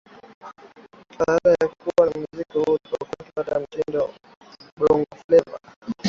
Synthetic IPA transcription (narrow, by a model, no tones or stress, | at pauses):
fahaɗajakuwamuzikihuɔkakipatajam̩tindɔ | ɓɾɔŋɡɔflɛva̰